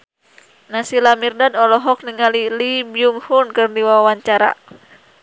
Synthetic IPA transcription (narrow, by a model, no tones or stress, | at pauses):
nasilamirdadɔlɔɦɔk̚niŋalilibiumhunkɨrdiwawawaɲt͡ʃaɾa̰